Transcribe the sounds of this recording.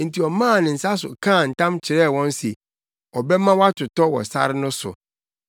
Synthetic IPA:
n̩˨tʰi˨ɔ˨mã˦˨nɪ̃˨n̩˨sa˦sʊ̰˨kʰã˦˨n̩˨tʰã˦mt͡ɕʰɪ˨ɾɛː˦˨wɔ̃˦n˦si˨ | ɔ˨bɛ˦mã˦wa˦tʰʊ˨tɔ˦wɔ̰˨sa̰˦ɾɪ˦nʊ̃˦sʊ̰˨

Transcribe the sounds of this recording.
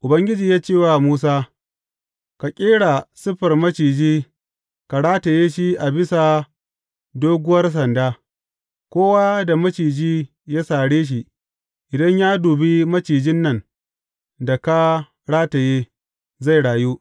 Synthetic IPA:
ʔʊ˨bɐ˦ŋɡʲɪ˦d͡ʒiː˨jaː˦t͡ʃeː˦˨wa˨muː˦saː˦ | ka˨kʲʼeː˦ɽa˨sɪ˦ɸɐ˨rmɐ˦t͡ʃiː˨d͡ʒiː˦ | ka˨ɽaː˦ta˨jeː˦ʃi˦ʔa˨bɪ˦sa˨ | doː˦ɡʊ˦wɐ˦rs̬ɐ˨ndaː˦ | kʷoː˦waː˦da˨mɐ˦t͡ʃiː˨d͡ʒiː˦ | jaː˦saː˨ɽeː˦ʃ̬i˨ʔ | ʔɪ˨dɐ˦ɲjaː˦duː˨bi˦mɐ˦t͡ʃiː˨d͡ʒɪ˦nːɐ˦˨n | da˨ka˦ | ɽaː˦ta˨jeː˦ | za˦˨jɽaː˨juː˦

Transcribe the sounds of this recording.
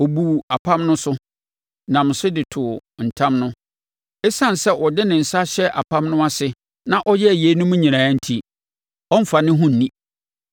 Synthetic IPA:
ɔ˨bu˨a˨pʰã˦mnʊ̃˦sʊ˦ | nã˨m̩˨sʊ˦dɪ˨tʰʊ˨n̩˨tʰã˦mnʊ̃˦ | ɛ˦sã˦˨n˨sɛ˦ʔɔ˨dɪ˦nɪ̃˨n̩˨sa˦ɕɛ˦ʔa̰˨pʰã˦mnʊ̃˦a˦sɪ˨ | nã˦˨ʔɔ˦jɛ˦˨je˨˦nʊ̃˦mũ˦ɲĩ˨nãː˨˦n̩˦tʰi˦ | ɔ˦m̩˦fa˨nɪ̃˦ɦʊ̃˦n̩˨nĩ˦

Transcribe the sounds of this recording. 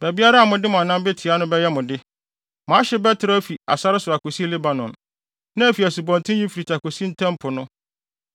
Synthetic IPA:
bæ˨bi˦a˦ɾa˦a˨mʊ̃˨dɪ˦mʊ̃˨a˨nã˦mbɛ˦tʰi˨a˦nʊ̃˦bɛ˦jɛ˦mʊ̃˨dɪ˦ | mãː˨˦ɕɪ˦bɛ˦tʰɪ˨ɾɔ˦fi˨a̰˨sa˦ɾɪ˦sʊ˨a˨ko˨si˦le˦ba˨nɔ̃˨n | nã˦æ˨fi˨æ˨su˨bɔ̃˨ntʰɪ̃˦ji˦fi˨ɾi˨tʰa˨ko˨si˦n̩˦tʰɛ̃˦mpʰʊ˨nʊ̃˦

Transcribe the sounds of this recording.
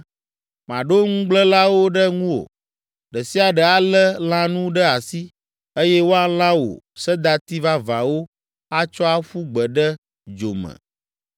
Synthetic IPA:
mã˨ɖo˦ŋũ˦ɡ͡blə˦la˦wo˦ɖə˦ŋũ˦wo̰˨ | ɖə˨si˦a˨ɖə˨a˦lə˦l̃ã˦nũ˦ɖə˦a˨si˦ | e˦jɛ˦wo˦a˦l̃ã˦wo̰˨ | sə˦d̪a˨t̪i˦va˦va˨wo˦ | a˦t͡ʃɔ˦a˦ɸu˦ɡ͡bə˨ɖə˦ | d͡ʒo˨mə̰̃˨

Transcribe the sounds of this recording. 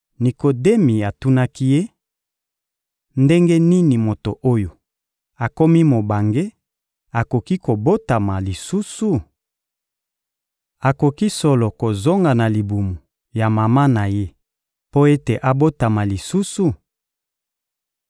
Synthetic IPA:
ni˨ko˨de˦mi˨a˨tu˦na˦ki˦je˦ | nde˦ŋɡe˦ni˦ni˨mo˨to˨ʔo˦jo˨ | a˨ko˦mi˦mo˨ba˨ŋɡe˦ | a˨ko˨ki˦ko˨bo˦ta˨ma˨li˨su˦su˨ | a˨ko˨ki˦so˦lo˨ko˨zo˦ŋɡa˨na˨li˨bu˨mu˨ | ja˨ma˨ma˦na˨je˦ | po˦e˦te˨ʔa˨bo˦ta˨ma˨li˨su˦su˨

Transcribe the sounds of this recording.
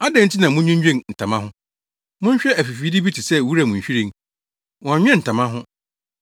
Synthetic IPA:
a˦dɛ̃˨n̩˦tʰi˦nã˨mʊ̃˦ɲᶣʊ̃˦ɲ˦d͡ʑᶣẽ˦˨ŋn̩˨tʰã˨mã˦ɦʊ̃˦ | mʊ̃˦ɲ˦ɕᶣɛ˦æ˨fi˨fi˨˦di˦bi˦tʰɪ˨sɛ˦˨wu˦ɾa˨mʊ̃˨ɲ̩˨ɕᶣi˦ɾĩ˦˨ŋ | wɔ̃˨a˨ɲᶣ˦ɛ̃˦˨n̩˨tʰa˨mã˦ɦʊ̃˦

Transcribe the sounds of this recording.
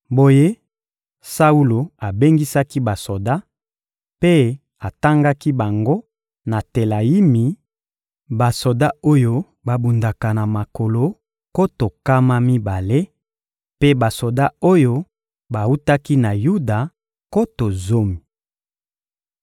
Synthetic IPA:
bo˦je˦ | sa˦u˦lo˨a˨be˦ŋɡi˦sa˦ki˦ba˨so˨da˦ | pe˦ | a˨ta˦ŋɡa˦ki˦ba˨ŋɡo˦ | na˨te˨la˨ji˦mi˨ | ba˨so˨da˦o˦jo˦ | ba˨bu˨nda˨ka˨na˨ma˨ko˨lo˦ | ko˦to˨ka˦ma˦mi˦ba˨le˦ | pe˦ba˨so˨da˦o˦jo˦ | ba˨u˦ta˦ki˦na˨ju˦da˨ | ko˦to˨zo˦mi˨

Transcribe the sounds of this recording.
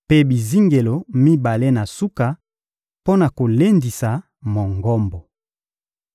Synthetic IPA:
pe˦bi˨zi˦ŋɡe˨lo˨mi˦ba˨le˦na˨su˦ka˨ | po˦na˨ko˨le˦ndi˨sa˨ | mɔ˨ŋɡɔ˦mbɔ˨

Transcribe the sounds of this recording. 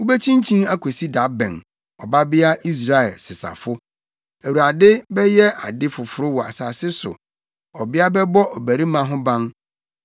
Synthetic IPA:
ʊ˦bæ˦t͡ɕʰĩ˦n˦t͡ɕʰĩ˦a˦kʰo˨si˦da˨˦bɛ̰̃˨n | ɔ˨ba˦bɪ˦a˦i˦s̬ɾa˦ɛ˨lsɪ˨sa̰˨fʊ˦ | æ˨wu˨ɾa˨dɪ˦bɛ˦jɛ˦a˨dɪ˦fʊ˨fʊ˨ɾʊ˦wɔ˨a̰˨saː˨sɪ˦sʊ̰˨ | ɔ˨bɪ˦a˦bɛ˦bɔ˦ʔɔ˨bæ˨ɾi˦mã˨ɦʊ̃˦bã˦n

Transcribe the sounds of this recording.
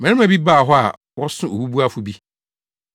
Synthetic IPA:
mɛ̃˨˦ɪ̃˦m˦ã˨bi˦ba˦˨ɦɔ˦a̰˨ | wɔ˦sʊ̃˦o˨bu˦bu˦a˦fʊ˦bi˦

